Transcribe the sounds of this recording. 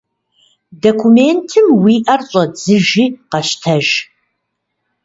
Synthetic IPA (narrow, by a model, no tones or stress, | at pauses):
dokʷʰumeːntʰɨmwiːʔɐrɕʼɐd͡zɨʒiːqɐʃtʰɐʒ